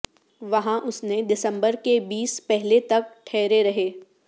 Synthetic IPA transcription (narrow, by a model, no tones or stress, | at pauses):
ʋɐɦãʔʊsneɖɪsə̃mbəɾkebiːspɛɦlet̪ɐk̚ʈʰɛːɾeɾɐɦeː